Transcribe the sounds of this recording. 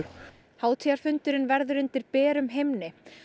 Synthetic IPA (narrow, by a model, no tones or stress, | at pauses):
haːwt̪ʰiaɾ̥fʏnt̪ʏɾɪnvɛɾðʏɾʏnt̪ɪɾpɛːɾʏmɦejmnɪ